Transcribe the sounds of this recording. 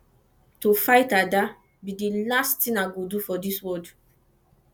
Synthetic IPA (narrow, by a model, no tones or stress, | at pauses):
tofaɪtada | bidilasttĩnaɡodufɔdiswɔd